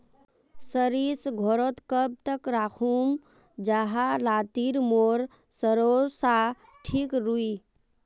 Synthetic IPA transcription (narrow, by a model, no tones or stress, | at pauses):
səɾisɡʱoɾot̪kəb̚t̪əkɾakʰum | d͡ʒaɦalaːt̪iɾmoːɾ | səɾoɾsa | ʈʰikɾui